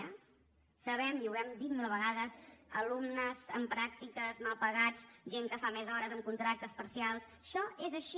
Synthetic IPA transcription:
ə | səβɛmiuwɛmd̪it̪̚milˠβəɣaðəzə̰lumnəzə̰mpɾak̚t̪ikəzmalˠpəɣat͡sʒeŋkəfamezɔɾəzəmkunt̪ɾak̚t̪əspəɾsialˠs | ʃɔezəʃi

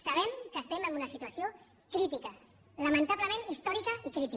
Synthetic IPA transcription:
saβ̞ɛmkəspeməmunəsit̪uəsio | kɾit̪ikə | ləmə̃nt̪aβləmẽnist̪ɔɾikəikɾit̪i

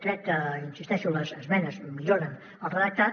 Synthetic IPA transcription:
t̪ɾɛt̪əinsist̪ɛʃuləzəzmɛnəzmiʎoɾən | əlˠrəðək̚t̪a

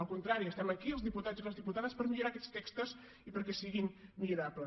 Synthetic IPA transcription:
əlˠkunt̪ɾaɾiəst̪ɛməkiəlˠzðiput̪ad͡ziləzðiput̪aðəspəɾmiʎuɾakɛt͡st̪ɛkst̪əz | ipəɾkɛsiɣinmiɾaplə

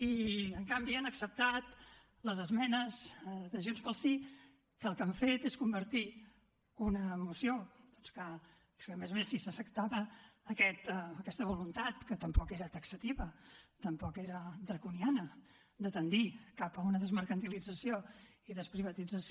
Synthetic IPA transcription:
iəŋkambianəksəp̚t̪at̪ | ləzəzmɛnəzd̪əʒenspəlˠsi | kəːlˠkəɱfet̪eskumbəɾt̪i | unəːmusiod̪̥ɔnskə | skəmezmesisəsək̚t̪aβəːkɛt̪ːkɛst̪əβulunt̪at̪kət̪əmpɔkeɾət̪əksət̪iβət̪əmpɔkeɾəd̪ɾəkunianə | d̪ət̪ənd̪ikapəunəðəzməɾkənt̪ilid͡zəsio | iðəspɾiβət̪id͡zəs

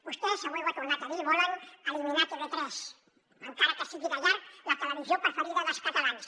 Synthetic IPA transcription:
bust̪ɛsawewβat̪uɾnat̪aβiβɔlənaliminat͡ʃ̪uðet̪ɾɛs | əŋkaɾakəsiɣiðaʎaɾklat̪ələβizjopɾəfəɾiðəðəlˠskat̪alans

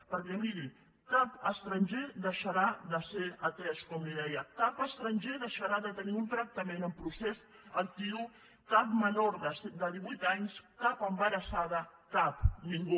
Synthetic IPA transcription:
pəɾkɛmiɾi | kapəst̪ɾənʲʒeðəʃaɾaðəseɾət̪ɾɛskɔmliðɛjəkapəst̪ɾəɲʲʒeðəʃaɾaðət̪əniunt̪ɾək̚t̪əmẽnəmpɾusez | ək̚t̪iu | kapmənoɾðəsd̪əðiβujt̪aɲskapəmbəɾəsaðəkapniŋɡu

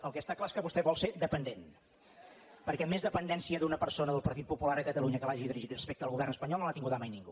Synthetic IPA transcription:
əlˠkɛst̪aklaeskəβust̪ɛβɔlˠsed̪əpənd̪en | pəɾkɛmːezðəpənd̪ɛnsiəðunəpəɾsonəðəlˠpəɾt̪it̪̚pupulaɾəkət̪əluɲəkəlaʒiðiɾiʒit̪rəspek̚t̪əlɣuβɛrnəspəɲɔlˠnoat̪iŋɡuðəmajniŋɡṵ

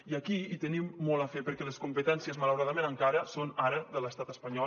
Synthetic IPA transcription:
iakiit̪ənimːɔlˠəfepəɾkɛləskumpət̪ɛnsiəzmələwɾaðəmenəŋkaɾəsonaɾəðələst̪at̪əspəɲɔ

